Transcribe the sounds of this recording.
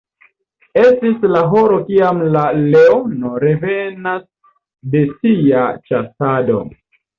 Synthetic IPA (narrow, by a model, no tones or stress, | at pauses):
e̞stislaɦo̞ɾo̞kiamlaleonoɾeve̞nas | de̞siat͡ʃasado̞̰